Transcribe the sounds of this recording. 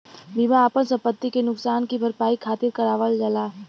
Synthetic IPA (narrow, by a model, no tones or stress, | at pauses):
bimaaːpənsɐ̃mpət̪ːikenʊksaːnkibʱɐɾpaːikʰaːt̪ɪɾkɐɾaːʋəld͡ʒɐlaː